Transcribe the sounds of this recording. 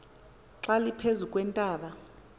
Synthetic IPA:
ǁalipʰezukʼwɛntʼaːɓa

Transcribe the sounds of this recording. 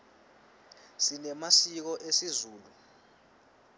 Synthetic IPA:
sinɛmasik̬ɔʔesizuːlu

